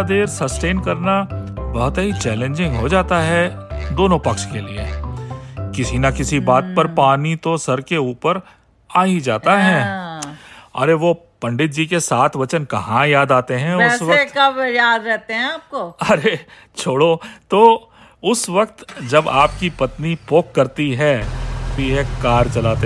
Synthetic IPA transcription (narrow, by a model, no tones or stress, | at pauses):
d̪eːɾsɐsʈeːnkɐɾnabɐɦʊt̪ɐɦit͡ʃɛːlẽːɲd͡ʒɪ̃ŋɡɦod͡ʒaːt̪aɦɛ | d̪oːnõpɐkʃkeliḛ | kɪsinakɪsibaːt̪̚pɐɾpaːnit̪osɐɾkeuːpəɾ | aːid͡ʒaːt̪aɦɛ̃ː | ɐ̰ɾeʋo | pɐ̃ɳɖɪt̪̚d͡ʒikesaːt̪ʰʋɐt͡ʃənkɐɦãjaːd̪aːt̪eɦɛ̃ʊɛssʋɐekajaːd̪ɾɛɦt̪eɦɛ̃aːp̚koːɐɾe | t͡ʃʰoːɽot̪oː | ʊsʋɐkt̪d͡ʒɐbaːpkipɐt̪nipoːkːɐɾt̪iɦɛ | iɦɛkaːɾt͡ʃɐlaːt̪e